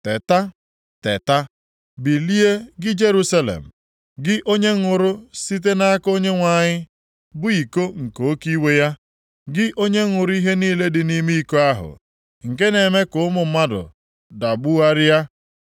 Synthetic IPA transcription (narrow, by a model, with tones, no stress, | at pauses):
te˨ta˦ | te˨ta˦ | bi˨li˦e˦ɡɪ˦d͡ʒe˦ɾu˦sa˦lḛ˨m̩˨ | ɡɪ˦ʔo˦ɲe˦ŋʊ˨ɾʊ˦si˦t̬e˦na˦a˦ko˦ɲe˦ŋʷa˨ɲɪ˦ | bʊ˦i˨ko˦ŋ̩˨ko˨˦ki˦we˦ja˦ | ɡɪ˦ʔo˦ɲe˦ŋʊ˨ɾʊ˦i˦ɦe˦niː˦le˦dɪ˨ni˦mi˦i˦ko˦a˦ɦʊ̰˨ | ŋ̩˨ke˦ne˨me˦kʊ˨˦ʊ˦mʊ˨˦ma˦dʊ̰˨ | da˨ɡ͡bu˦a˦ɾɪ˦ja˦